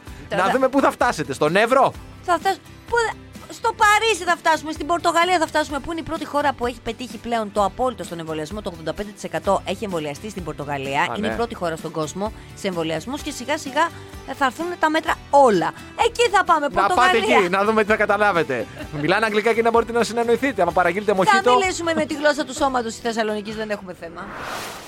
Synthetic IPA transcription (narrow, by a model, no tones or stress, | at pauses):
nɐðume̞puθɐft̪ɐse̞t̪e̞st̪o̞nevɾo̞ | θɐft̪ɐs | pu | st̪o̞pɐɾisiθɐft̪ɐsume̞st̪ibo̞ɾt̪o̞ɣɐliɐθɐft̪ɐsume̞puineipɾo̞t̪ixo̞ɾɐpue̞çi̥pe̞t̪içiple̞o̞nt̪o̞ɐpo̞lit̪o̞st̪o̞ne̞ɱvo̞liɐzmot̪oɣðo̞nd̪ɐped̪et̪i̥se̞kɐt̪o̞ʔe̞çie̞ɱvo̞liɐst̪ist̪imbo̞ɾt̪o̞ɣɐliɐḭnepɾo̞t̪ixo̞ɾɐst̪o̞ɡo̞zmo̞ | seeɱvo̞liɐzmusce̞siɣɐsiɣɐ | θɐːɾθunt̪ɐme̞t̪ɾɐo̞lɐ | e̞ciθɐpɐme̞poɐt̪opɐt̪eiinɐðumet̪iθɐkɐt̪ɐlɐve̞t̪e̞mmilɐnɐŋɡlikɐcinɐbo̞ɾit̪enɐsineno̞iθit̪eɐmɐpɐɾɐʝilt̪emoçiɐmt̪oilisumemmet̪iɣlo̞sɐt̪uso̞mɐt̪o̞st̪i̥sθe̞sɐlo̞nicizðe̞ne̞xume̞θemɐ